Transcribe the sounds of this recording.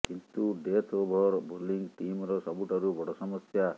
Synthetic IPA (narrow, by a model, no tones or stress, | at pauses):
kint̪uɖet̪ʰobʱɔɾboɾliŋɡʈimɾɔsɔbuʈaɾubɔɽɔsɔmɔsja